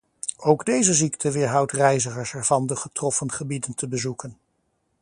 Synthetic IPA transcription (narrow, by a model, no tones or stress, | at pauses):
owɡdejzəziktʰəʋɪːɹɦʌwtrɛjzəχəɹsɛɹv̥ɑndəχətrɔfənχəbidəntəbəzukən